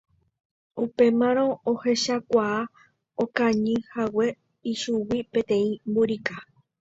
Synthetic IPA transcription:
upe̞mãɾ̃õohe̞ʃakʷaː | okãɲɨ̃hawe̞ | iʃuwipẽt̪ẽ̞ĩmbuɾika

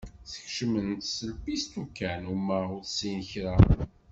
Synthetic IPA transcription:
θə̥çʃəmənt̪səlpist̪ukːænumæʊθsinəçɾa

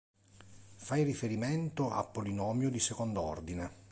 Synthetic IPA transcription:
fajrifeɾiment̪oʔa̰pːolinɔːmjod̪isekond̪oɔ̰rd̪ine

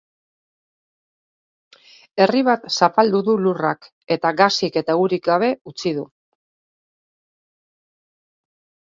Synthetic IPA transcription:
e̞riβ̞at̪sapald̪uðulurak | e̞t̪aɣasike̞t̪auɾikɡaβ̞e̞ut͡sið̞u

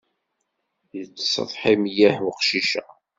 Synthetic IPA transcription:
jət͡sːsˤə̰ðˤħimjæħwqʃiʃæ

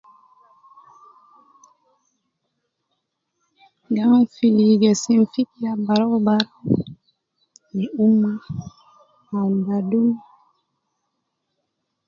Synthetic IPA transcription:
ɡaŋfiliɡesinfikjabaɾɔwbaɾo | niumːa | anɡadum

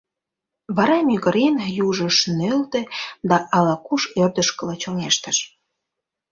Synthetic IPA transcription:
βɑɾɑmʲyɣəɾenjuʒə̆ʃnølt̪ĕd̪ɑʔɑlɑkuʃørd̪ə̆ʃkə̆lɑt͡ɕoŋeʃt̪ə̆ʃ

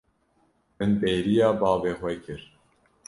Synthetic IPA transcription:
mɨnbeːɾijɑːbɑːveːxwɛkʰɨɾ

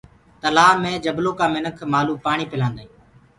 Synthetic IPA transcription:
t̪əlaːmẽːd͡ʒəbloːkaːmɪnəkʰmaːluːpaːɳiːpɪlãːnd̪aːĩː

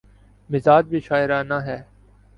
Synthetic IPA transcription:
mɪzaːd͡ʒbʱiʃaːɪɾaːnaɦɛː

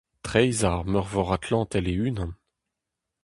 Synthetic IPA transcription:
t̪χɛjzaʁmœʁvɔʁat̪ʰlɑ̃t̪ɛleynɑ̃n

